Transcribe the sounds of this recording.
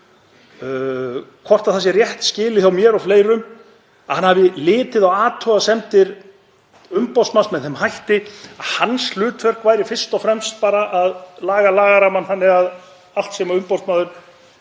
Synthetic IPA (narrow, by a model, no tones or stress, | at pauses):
kʰvɔr̥t̪aðθas̬jɛrjɛht̪scɪːlɪθjawmjɛɾawfleːjɾʏm | ahanhavðɪlɪːt̪ɪðaɣaːt̪ʰɔasɛmt̪ɪɾ̥ | ʏmpawst̪mansmɛðθɛmɦajht̪ɪaðhanːslʏːt̪vœr̥kvaːjɾɪfɪr̥st̪ɔfɾɛmst̪̚paːɾaʔaðlaːɣalaːɣaɾamanhanːɪɣað | al̥t̪sɛːmaʏmpɔwst̪maːðʏɾ̥